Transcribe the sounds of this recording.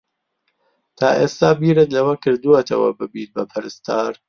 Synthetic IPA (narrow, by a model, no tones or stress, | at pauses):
t̪ʰaːʔeːst̪aːbiːɾɨt̪lɐwɐkɨɾd̪uwɐt̪ʰɐ̰wɐ̰bɨbiːt̪̚bɐpʰɐɾɨst̪ʰaːɾ